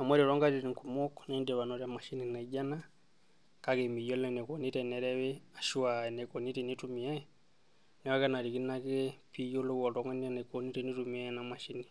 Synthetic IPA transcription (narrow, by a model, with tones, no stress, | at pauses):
a˨mwɛ˦ɾɛ˨ɾɔ˦ŋɡa˦ɾi˨ɾi˨ŋku˨mɔ˦kɔnɛndɛ˨βa˨nɔɾa˨ma˨ʃi˦ni˨na˨iɟa˦na˦ | ka˦kɛmi˨jɔ˦lɛnɛ˨kɔ˨ni˦tɛ˨nɛ˨ɾɛ˦wɛa˨ʃu˦a˨ɛ˨nɛ˨kɔ˨ni˦tɛ˨ni˦tu˦mia˦ | nɛ˨˦wa˦kɛ˦na˨ɾi˨ki˦na˦kɛ˦pʰi˦jɔ˦lɔ˦ka˨tɔ˨ŋa˦nia˦nɛ˨kɔ˨ni˦tɛni˦tumiana˨ma˨ʃi˦ni˨